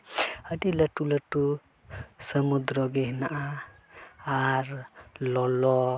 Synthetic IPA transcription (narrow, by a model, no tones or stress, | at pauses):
əʈiləʈuləʈːu | səmud̪ɾɔɡeɦnaʔa | aɾlɔlɔ